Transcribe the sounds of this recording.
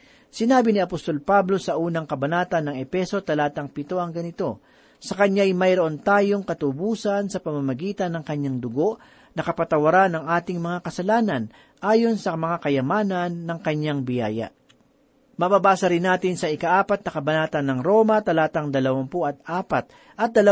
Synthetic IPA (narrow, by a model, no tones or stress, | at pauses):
sɪnaːbɪnɪɐpost̪o̞lpablo̞sɐʔuːnɐŋkɐbɐnaːt̪ɐnːɐŋɛpɛso̞t̪ɐlaːt̪ɐŋpɪt̪o̞ʔɐŋɡɐnɪt̪o̞ | sɐkɐɲajmɐjɾoʔo̞nt̪aːjo̞ŋkɐt̪ʊbuːsɐnsɐpɐmɐmɐɡiːt̪ɐnːɐŋkɐɲaŋd̪ʊɡo̞ʔ | nɐkɐpɐt̪ɐwɐɾanɐŋʔaːt̪ɪŋmɐŋakɐsɐlaːnɐn | ʔaːjo̞nsɐmɐŋakɐjɐmaːnɐnːɐŋkɐɲːaŋbɪja̰ːjɐ̰ | mɐbabaːsɐɾɪnːaːt̪ɪnsɐʔɪkaʔaːpɐt̪̚nɐkɐbɐnaːt̪ɐnːɐŋɾo̞mɐt̪ɐlaːt̪ɐŋd̪ɐlɐwɐmpoʔɐt̪̚ʔaːpɐt̪̚ | ʔɐt̪̚d̪ɐlɐ